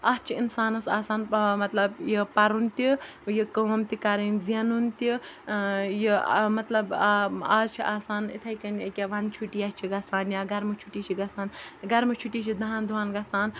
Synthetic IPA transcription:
ɐst͡ʃʰiinsaːnɐsaːsaːnmɐt̪lɐbjəpɐɾunt̪i | jikɐwɐmt̪ikɐɾinziɐnunt̪i | jimɐt̪lɐbaːzt͡ʃʰiʔaːsaːnḭt̪ʰɐjkɐnɐkʲeʋɐnt͡ʃʰuʈiːɐst͡ʃʰiɡɐt͡saːnjaːɡɐɾmɨt͡ʃʰuʈiːt͡ʃʰiɡɐsaːnɡɐɾmɨt͡ʃʰuʈiːt͡ʃʰid̪ɐɦãːnd̪uʋaːnɡɐt͡saːn

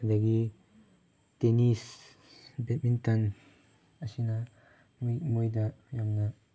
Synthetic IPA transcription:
daɡi | tenis | bet̚mintan | asina | mjmujdajamna

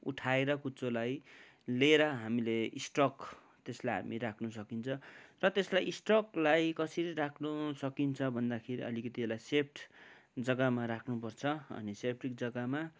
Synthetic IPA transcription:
ṵʈʰaeɾʌkut͡solaj | leɾʌɦamileisʈrʌk | t̪eslajɦa̰miɾakʰnus̬ʌkint͡sʰʌrʌt̪eslajʔsʈrʌklajkʌsiɾiɾakʰnusʌkint͡sʰʌbʱʌnd̪akʰeɾiʌ̰likʌt̪ielajsep̚ʰʈʰd͡zʌɡamaɾakʰnupʌrt͡sʰʌʌ̰nisep̚ʰʈrik̚d͡zʌɡama

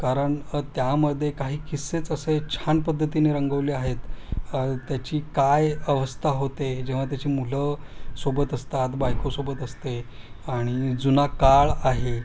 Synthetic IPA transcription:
kaɾəɳt̪jaməd̪ʱːjekaɦiːkisːet͡səset͡ɕʰanpəd̪ʱːət̪ineɾəŋɡəʋliːaɦet̪ | t̪ːjat͡ɕiːkajəʋəst̪ʰaɦot̪ed͡ʑeʋ̤at̪̬jat͡ɕiːmuləsobət̪əst̪at̪bajkosobət̪əst̪e | aɽ̃id͡zunakaɭaɦe

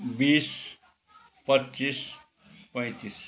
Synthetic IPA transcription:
bis | pʌtːt͡sis | pʌ̃j̃t̪is

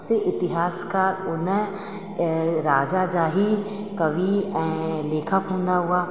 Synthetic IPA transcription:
seʔɪt̪ɪɦaːskaːɾʊn | ɾaːd͡ʒad͡ʒaːɦi | kɐʋiɛ̃ːleːkʰəkɦũːnd̪aɦuaː

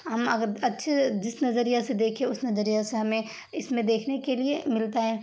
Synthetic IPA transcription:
ɦɐmɐɡəɾɐtːʃʰed͡ʒɪsnɐzəɾijased̪eːkʰẽʊsnɐzəɾijaseɦɐmẽ | ɪsmẽd̪eːkʰnekeliemɪlt̪aɦɛ̃ː

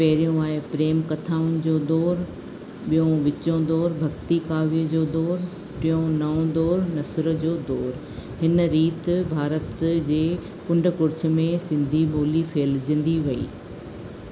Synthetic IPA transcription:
pɛɦɪɾijũaːepɾeːmkɐt̪ʰaːʊnɪ̆d͡ʑoːd̪ɔːɾ | ɓijõʋɪt͡ɕõd̪ɔːɾbʱɐɡt̪ikaːʋiəd͡ʑoːd̪ɔːɾ | ʈɪjõnɐõd̪ɔːɾnɐsɾə̆d͡ʑoːd̪ɔːɾ | hɪnɾiːt̪bʱaːɾət̪d͡ʑeː | kʊ̃ɳɖʱʊkʊɾt͡ɕ̆ʰmẽsɪ̃nd̪ʱiɓoːlifʰeːld͡ʑɪ̃n̆d̪ʱiʋɐḭː

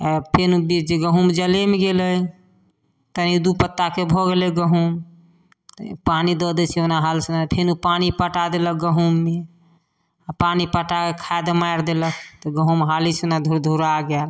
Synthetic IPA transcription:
pʰenubid͡ʒeɡəɦumd͡ʒəlemeɡelə | t̪ənid̪upət̪ːakebʱɔɡelɛɡəɦum | panid̪ɔd̪ɛt͡ʃʰeonaɦalsunapʰenupanipəʈad̪eləɡəɦumːe | apanipəʈakekʰaed̪majɾd̪elət̪ɔɡəɦumɦalisunad̪ʱuɾd̪ʱuɾaɡɛl

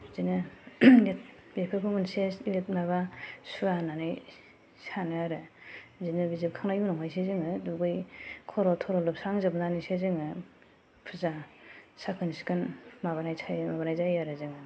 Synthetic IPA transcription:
zinɯlet̚bepʰekʰɯmɯnseslet̚naβasuananɯj | sanɯaɾɯzinɯbizip̚kʰaŋnajunɔŋajsezɯŋɯduɡɯjkʰɔɾɔtʰɔɾɔlɯp̚saŋzɯbnanisezɯŋɯ | pʰɯzasakʰɯnsi̥kʰɯnmaβanajsʰajmabanajzajaɾɯzɯŋɯ

